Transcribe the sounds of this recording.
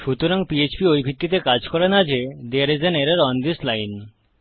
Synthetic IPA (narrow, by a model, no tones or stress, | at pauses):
ʃut̪oɾaŋpiet͡ɕbiojbʱit̪ːit̪̬ekad͡ʑkɔɾenad͡ʑed̪eaɾed͡ʑeneɾaɾɔnd̪islajn